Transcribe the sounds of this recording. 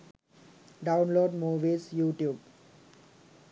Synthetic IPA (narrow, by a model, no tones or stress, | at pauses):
ɖãʊ̃nloːɖmuːʋiːsjuːʈjuːb